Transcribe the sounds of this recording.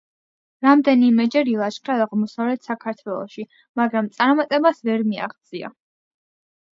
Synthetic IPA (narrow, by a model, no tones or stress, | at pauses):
ɾamd̪ɛnimɛd͡ʒɛɾilˠat͡ʃχʰaaʁmɔsavlɛt̪ʰsakʰaɾt̪ʰwɛlˠɔ̰ʃi | maɡɾamt̪sʼaɾmat̪ʼɛbasvɛɾmia̰χd̪sʼia̰